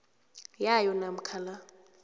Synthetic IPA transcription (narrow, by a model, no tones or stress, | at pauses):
jajɔnam̩kʰala